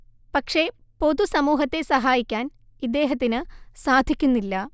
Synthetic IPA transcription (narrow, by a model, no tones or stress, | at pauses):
pɐkʂe̞ | po̞ðusɐmuːɦɐt̪ːe̞sɐɦaːjikʲːaːn | id̪ːe̞ːɦɐt̪̬ːinɨsaːd̪ʱikʲːunːilːɐ